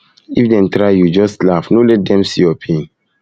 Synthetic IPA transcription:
ifdɛ̃ntɾaɪjud͡ʒɔstlafnolɛt̚dɛ̃msijɔpʰẽn

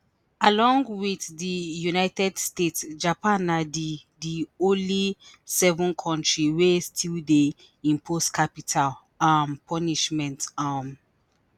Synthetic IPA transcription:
alɔ̃ŋɡwiθdijunajtɛdstetsd͡ʒapãnadidiolisɛvɔ̃nkʰɔ̃ntɹiwestʰilde | ĩmpʰoskʰapitʰal | ampʰɔniʃmɛ̃ntam

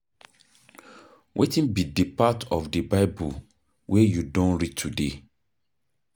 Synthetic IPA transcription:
wʔetĩnbidipatʰɔfdəbaɪbu | wʔɛjudɔ̃nɹid̚tʰude

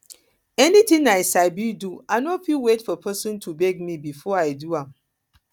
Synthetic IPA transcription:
ɛnitĩŋnaɪsaɪbiduaɪnɔfilwetfɔpʰɜsɔ̃ntʰubɛɡ̚mibifɔaɪduãm

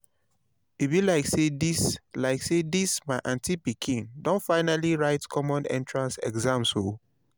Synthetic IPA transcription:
ibilaɪksedislaɪksedismaɪʔãntipikʰĩndɔ̃nfaɪnaliɹaɪtkʰɔmɔ̃nɛ̰̃ntɹãnsɛ̰ɡzãmso

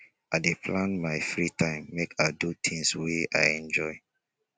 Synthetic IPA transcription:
adepʰlãnmajfɹitʰãɪ̃mːekʰadutʰĩŋswea̰jɛ̃nd͡ʒɔɪ

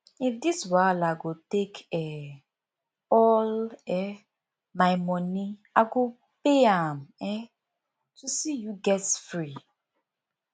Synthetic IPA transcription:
ifdiswalaɡotekʰɛ | ɔlɛ | maɪmɔniaɡo | peamɛ | tusijuɡɛtsfɹi

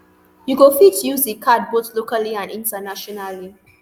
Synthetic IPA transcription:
juɡofitjuzekʰad̚boθlokaliãnĩntənaʃɔnali

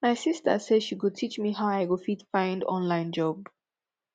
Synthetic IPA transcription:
maɪsistə̰sɛdʃiɡətʰit͡ʃmiɦaʊaɪwəfitfãɪ̃ndɔ̰̃nlãɪ̃nd͡ʒɔb

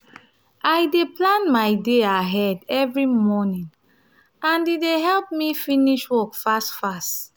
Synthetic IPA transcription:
ajdeplãnmaɪdeaɦɛdɛvɹimɔnĩŋ | ãndideɦɛlp̚mifiniʃwɔkfastfast

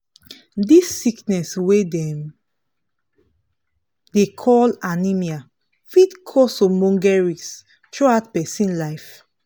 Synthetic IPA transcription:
disːiknɛswedɛ̃m | dekʰɔlanimia | fitkʰɔsomɔ̃ŋɡɛɹis | tʰɹuat̚pɛsĩnlaɪf

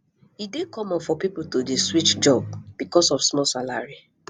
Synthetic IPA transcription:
hidekɔmãnfɔpiputodeswit͡ʃd͡ʒɔb̚b̥ikɔsɔfsmɔlsala̰ɹi

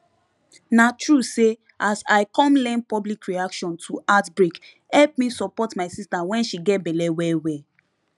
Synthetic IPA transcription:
natʰɹuse | ʔasaɪkɔ̃mlɛ̃n̚pɔblikʰɹiakʃɔ̃ntʰuʔatbɹik | hɛlp̚misɔpɔtmaɪsistawɛ̃nʃiɡɛt̚bɛlɛwɛwɛ

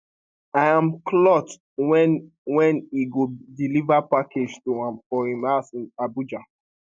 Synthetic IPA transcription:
ajãmklɔt | w | wɛ̃niɡodilivapakʰed͡ʒtuãmfɔhĩmasĩnabud͡ʒa

